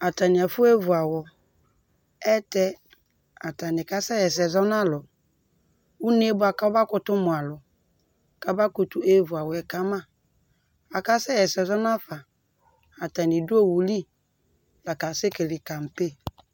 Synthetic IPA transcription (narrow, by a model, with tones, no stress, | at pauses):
a˨ta˨nɪ˨a˨fʊ˦e˦vu˨a˨wɔ˨ | ɛ˦tɛ˦ | a˨ta˨nɪ˨ka˦sɛ˦jɛ˨s̬ɛ˨zɔ˦n˦a˦lʊ˨ | u˦n˦e˦bʊ˦a˨ka˦ba˦kʊ˦tʊ˦mʊ̃˨a˨lʊ˨ | ka˦ba˦ku˨tʊ˦e˦vʊ˨a˨wɔ˨ɛ˨ka˦mã˦ | a˨ka˦sɛ˦jɛ˨sɛ˨zɔ˦n˦a˦fa˨ | a˨ta˨nɪ˨dʊ˦o˦˨wu˨li˦ | la˨ka˨se˦ke˨lɪ˨ka˨m̩˨pe˦